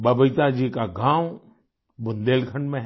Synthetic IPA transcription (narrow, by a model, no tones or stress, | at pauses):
bɐbəjt̪ad͡ʒiːkaɡãːw | bʊnd̪eːlkʰəɳɖmẽ